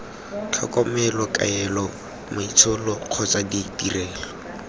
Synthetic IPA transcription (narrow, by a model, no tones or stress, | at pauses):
t͡ɬʰa̰kʼɔmɛlɔka̰ɛlɔ | mait͡sʰʊlɔq͡χʰɔt͡saditirɛːlɔ